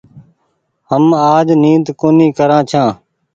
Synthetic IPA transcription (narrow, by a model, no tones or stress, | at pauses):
həmaːd͡ʒniːd̪koːniːkəɾãːt͡ʃʰãː